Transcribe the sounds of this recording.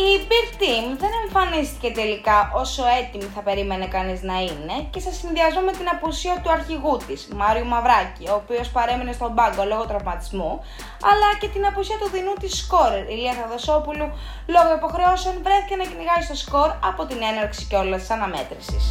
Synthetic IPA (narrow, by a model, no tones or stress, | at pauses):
ibiɾt̪imðe̞ne̞ɱfɐnist̪i̥ce̞t̪e̞likɐʔo̞so̞e̞t̪imiθɐpe̞ɾime̞nekɐniznɐine̞ce̞sɐsːinðiɐzmome̞t̪inɐpusiɐt̪uɐɾçiɣut̪iz̥mɐɾiumɐvɾɐcioːpio̞spɐɾe̞mine̞st̪o̞mbɐŋɡo̞lo̞ɣo̞t̪ɾɐvmɐt̪izmu | ɐlɐce̞t̪inɐpusiɐt̪uðinut̪isko̞ɾeɾiliɐθɐðo̞sopulu | lo̞ɣoipo̞xɾe̞osonvɾe̞θicenɐciniɣɐzist̪o̞sko̞ɾɐpo̞t̪ine̞nɐɾksi̥ceo̞lɐst̪i̥sɐnɐme̞̰t̪ɾisis